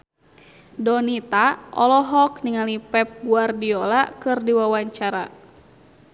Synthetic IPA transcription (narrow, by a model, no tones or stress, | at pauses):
dɔnit̪aʔɔ̰lɔɦɔkniŋalipɛp̚buardiɔlakɨrdiwawaɲt͡ʃaɾa